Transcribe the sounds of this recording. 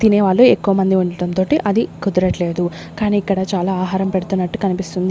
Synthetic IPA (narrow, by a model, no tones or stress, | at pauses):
t̪ineːʋaːɭːuekːuʋɐmɐnd̪iuɳɖɐɽɐnt̪o̞ːʈiʔɐd̪ikud̪ɐɾɐʈle̞ːd̪u | kaːniːkːɐɽɐt͡ʃaːlaːaːɦaːɾɐmpe̞ɽut̪unːɐʈːu̥kɐnipist̪und̪i